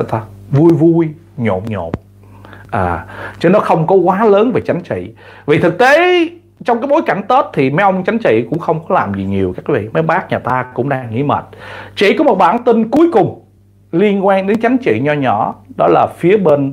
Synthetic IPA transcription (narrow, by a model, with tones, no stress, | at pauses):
t̪a˧vu˧jvu˧j | ɲo̰˧˨mɲo̰˧˨m | ʔəː˨˩t͡ɕə˧˦nɔ˨˦xə˧wŋ͡mkɔ˨˦kwaː˨˦ləː˨˦nve˨˩t͡ɕa˨˦jŋ̟t͡ɕḭ˧˨vi˨˩t̪ʰɨ˨˩k̚t̪e˨˦ | t͡ɕɔ˧wŋ͡mkaː˨˦jɓo˨˦jka˧˩jŋ̟t̪o˦˥t̚t̪ʰi˨˩ma˨˦ʔə˧wŋ͡mt͡ɕa˨˦jŋ̟t͡ɕḭ˧˨kʊ̰˧˥ŋ͡mxə˧wŋ͡mkɔ˨˦laː˨˩mzi˨˩ɲi˨˩əwkaː˦˥kvḭ˧˨ma˨˦jɓaː˦˥k̚ɲaː˨˩t̪aː˧kʊ̰˧˥ŋ͡mɗaː˧ŋːḭ˧˥mə̰˨˩t̚t͡ɕḭ˧˨kɔ˨˦mo˨˩t̚ɓaː˧˩nt̪ï˧ŋku˨˦əjkʊ˨˩ŋ͡m | li˧ənkwaː˧nɗe˨˦nt͡ɕa˨˦jŋ̟t͡ɕḭ˧˨ɲɔ˧ɲɔ˧˩˨ɗɔ˨˦laː˨˩fi˨˦əɓe˧n